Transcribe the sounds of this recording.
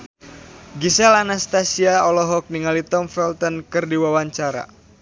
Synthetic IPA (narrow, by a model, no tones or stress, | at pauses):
ɡisɛlanast̪asiaɔlɔɦɔk̚niŋalit̪ɔmfɛlt̪ɔnkɨrdiwawaɲt͡ʃaɾa̰